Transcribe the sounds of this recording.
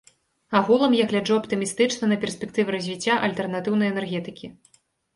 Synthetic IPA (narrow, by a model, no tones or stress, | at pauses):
aɣulˠɐmjaɣlʲad͡ʐuɐpt̪ɨmʲist̪ɨt͡ʂnɐnɐpʲɛrsʲpʲɛk̚t̪ɨvɨɾɐzʲvʲit͡sʲːaʔɐlʲt̪ɛrnat̪ɨwnɐjɛnɛrɣʲɛt̪ɨkʲi